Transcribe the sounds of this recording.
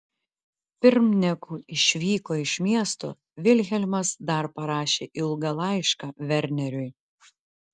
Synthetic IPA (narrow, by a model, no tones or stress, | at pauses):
pʲɪɾmnʲɛkuːɪʃʲʋʲiːkoːɪʃmʲiɛst̪o̰ː | ʋʲɪlʲxʲɛlʲmɐsd̪ɐɾpɐɾɑːʃʲeːʔɪlˠɡɐlˠɑˑɪʃkɑːʋʲɛɾʲnʲɛɾʲʊɪ